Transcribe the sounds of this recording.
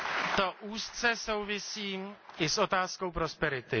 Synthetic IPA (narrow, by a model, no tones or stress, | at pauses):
t̪oʔuːst͡sɛso̞wvɪsiːɪsʔo̞t̪aːsko̞wpɾo̞spɛɾɪt̪ɪ